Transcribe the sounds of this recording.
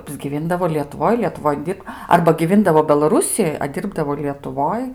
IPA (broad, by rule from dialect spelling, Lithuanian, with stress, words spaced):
ɐbʲzʲɡʲɪˈʋʲiːndɐʋoː lʲiɛtʊˈʋoːj lʲiɛtʊˈʋoːj ˈdʲɪrp ɐrbɐ ɡʲɪˈʋʲiːndɐʋoː bʲɛlˠɐˈrʊsʲɪjoːj ɐ ˈdʲiːrbdɐʋoː lʲiɛtʊˈʋoːj